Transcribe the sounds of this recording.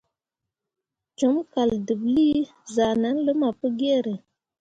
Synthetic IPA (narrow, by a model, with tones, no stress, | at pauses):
d͡ʒu˨˦mka˨ldu˨bli˦ | za˨na˦nlə˦ma˨pə˦ɡe˦ɾe˨